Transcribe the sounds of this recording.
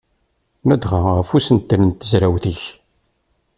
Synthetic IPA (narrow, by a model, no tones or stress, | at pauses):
mæd̪ʁaʁəfusənt̪ːnənt̪ːəzɾæwθəç